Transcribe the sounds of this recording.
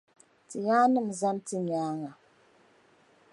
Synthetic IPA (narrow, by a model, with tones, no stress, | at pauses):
tɨ˨ɣaː˦nɨ˦m̩˨za˦ntɨ˦ɲaː˦ŋa˨